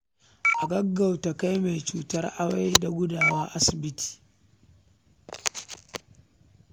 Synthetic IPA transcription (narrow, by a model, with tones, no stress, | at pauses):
ʔa˨ɡɐ˦ɡːa˨wta˨ka˦jma˨jt͡ʃuː˨tɐ˦rʔa˦wa˦jda˨ɡʷʊ˦daː˨wɐ˦ʔa˦sɪ˨bɪ˦ti̥ː˨